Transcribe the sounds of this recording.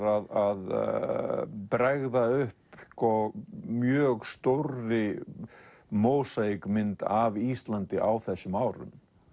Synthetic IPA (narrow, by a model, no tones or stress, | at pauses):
ɾaðað | pɾaɣðaʏhpskɔmjœːɣst̪owrɪ | moːwsakmɪnt̪avist̪lant̪ɪʔawθɛsʏmaːwɾʏ̰m